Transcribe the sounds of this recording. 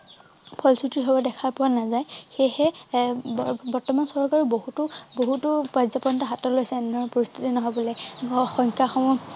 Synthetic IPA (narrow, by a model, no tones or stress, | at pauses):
pʰɔlsutiɦɔbɔdɛkʰaɹpɔwanazajxejhɛbbɔɹtɔmansɔɹkaɹuboɦutʊboɦutʊbazɔpɔntaɦatɔlojsɛɛndɔɹɔpɔɹist̪ʰitinɔɦɔbɔlexɔŋkaxɔmɔ